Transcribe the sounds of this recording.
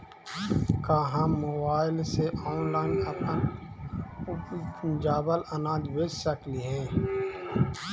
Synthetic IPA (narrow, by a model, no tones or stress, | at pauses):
kaːɦamːoːbaːɪlseʔɔːnlaːɪnəpən | ʊpnd͡ʒaːbələnaːd͡ʒ̪beːd͡ʒsəkliɦɛː